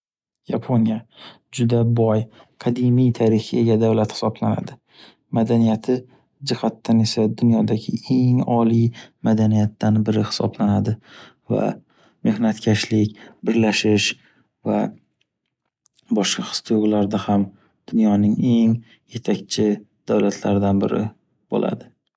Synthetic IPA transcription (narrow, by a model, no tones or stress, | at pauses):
japʰonija | d͡ʒʊd̪abɒj | qʰɑd̪ɪmijt̪ʰaɾɪxɪeɡʲad̪awlat̪hɪ̥sɒblana̰d̪ɪ | mad̪anijat̪ʰɪ | d͡ʒɪhat̪ːane̞sad̪ʊnjɒd̪aɡʲɪe̞ŋɒlijmad̪anijat̪ːanbɪɾɪhɪ̥sɒ̰blanad̪ɪ | va̰ | me̞hnat̪kʲʰaʃlɪkʲbɪɾlaʃɪʃ | va̰ | bɒʃqɑχɨ̥st̪ʰɪoʁlaɾd̪aham | d̪̥ʊnjɒnɪŋe̞ŋ | je̞t̪ʰakʲt͡ʃʰɪ | d̪̥awlat̪ʰlaɾɪd̪anbɪɾɪ̰ | b̥o̰lʔa̰d̪ɪ